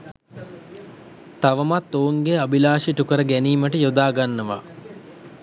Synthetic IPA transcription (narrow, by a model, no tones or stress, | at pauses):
t̪aʋəmat̪ːoːuŋɡeabilaːʃiʈukəɾəɡæniːməʈəjod̪aːɡanːəʋa